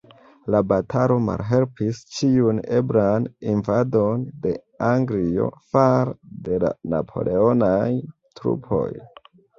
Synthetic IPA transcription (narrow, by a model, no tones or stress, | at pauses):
labatʰalo̞ma̰lɦe̞lpist͡ʃiune̞bɾaninvado̞nde̞ | aŋɡlio̞̰faɾde̞la̰na̰pʰo̞̰lʔe̞o̞najtɾṵpʰo̞̰j